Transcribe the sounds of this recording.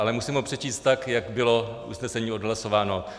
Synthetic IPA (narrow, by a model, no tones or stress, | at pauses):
ʔalɛmusiːmopr̝̥ɛt͡ʃiːst̪t̪ːakjakbɪlo̞ | ṵsnɛsɛɲiːo̞dɦlaso̞vaːno̞